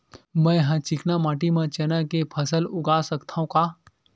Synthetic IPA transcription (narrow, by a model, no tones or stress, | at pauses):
mɛ̃ːɦãt͡ʃɪknamãːʈ̬imãt͡ʃɐnãkepʰəsəlʊɡaːsəkt̪ʰaɦũkaː